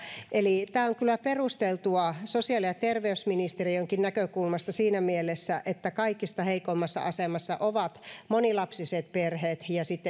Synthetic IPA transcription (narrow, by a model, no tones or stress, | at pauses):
ʔelit̪æːoŋkylːˑæperust̪elt̪uɑsosiɑliɑt̪erʋeysminist̪erioŋkinnækøkulmɑst̪ɑsiːnæmielesːæʔet̪ːækɑikist̪ɑheikomːɑsːɑ̰ʔɑsemɑsːɑ̰ʔoʋɑt̪monilɑpsiset̪perheːt̪jɑsit̪ːe